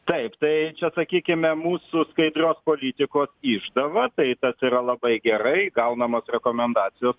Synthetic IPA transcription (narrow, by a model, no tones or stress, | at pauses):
t̪ɐɪpt̪ɐɪt͡ʃʲɛsɐkʲiːkʲɪmʲɛmuːsʊskɐɪd̪ʲrʲoːspoːlʲit̪ʲɪkoːsɪʒd̪ɐʋɐt̪ɐɪt̪ɐsiːɾɐlˠɐbɐɪɡʲɛɾɐɪɡɐʊnɐmoːsrʲɛkoːmʲɛnd̪ɑːt̪sʲɪjoːs